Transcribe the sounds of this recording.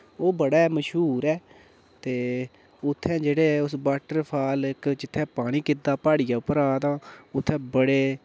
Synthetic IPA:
oːbəɽaːməʃɦuːɾɛː | t̪eː | ʊt̪ʰːɛ̃ːd͡ʒeːɽeːʊsbaːʈəɾpʰaːlɪkd͡ʒɪt̪ʰːɛ̃ːpaːɽ̃iːkɪd̪aːpaːɽijaːʊpəɾaːt̪ãːʊt̪ʰːɛ̃ːbəɽeː

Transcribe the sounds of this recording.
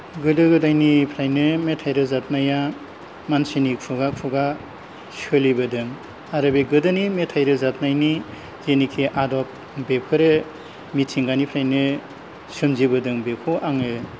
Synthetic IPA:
ɡɯdɯɡɯdajnipʰɾajnɯmetʰajɾɯzat̚naja | mansinikʰuɡakʰuɡa | sɯlibɯdɯŋ | aɾɯbeɡɯdɯnimetʰajɾɯzat̚najni | zenikʰiʔadɔp̚ | bepʰɯɾe | mitʰiŋɡanipʰɾajnɯ | sɯmzibɯdɯŋbekʰuʔaŋɯ

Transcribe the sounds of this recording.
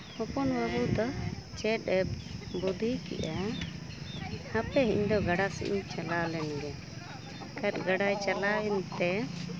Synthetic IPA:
hɔpɔnbəbud̪ɔt͡ʃɛt̪̚ɛbud̪ʱikɛ̰ʔa | apɛɦḭɲd̪ɔɡaɽasḭʔḭɲt͡ʃalalɛnɡɛ | kət̪̚ɡaɖajt͡ʃalaɛnt̪ɛ

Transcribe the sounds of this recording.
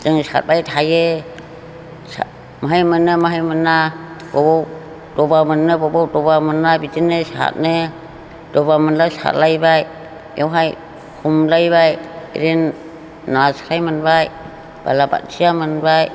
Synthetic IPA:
zɯŋsa̰t̚bajtʰaje | s | maɦajmɯnɯmaɦajmɯnabɔbɔw | dɔbamɯnːɯbɔbawdɔbamɯnːabitinɯsa̰t̚nɯ | dɔbamɯnlasa̰t̚lajbaj | jɔwɦaj | humlajbaj̰ɾenː | asɾajmɯnbaj | b̥a̰laba̰t̚sijamɯnbaj

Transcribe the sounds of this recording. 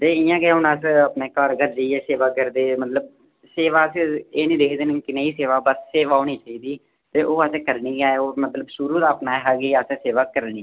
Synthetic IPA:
t̪eːɪjãːɡːɦʊnəsəpneːkəɾɡəɾd͡ʒəiːɛːseːʋaːkəɾd̪eːmət̪ləb̚ | seːʋaːseːnĩːd̪eːkʰd̪eːnkɪnẽːiːseːʋaːbəsseːʋaːoːniːt͡ʃaːiːd̪iː | t̪eːʔoːəsekəɾniːɡaːeoːmət̪ləbʃʊɾuːd̪aːpnaːɦəɡeːəsseːʋaːkəɾniː

